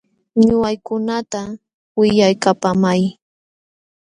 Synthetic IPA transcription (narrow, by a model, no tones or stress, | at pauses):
ɲʊwajkʊnat̪a | wɪʎajkapamaj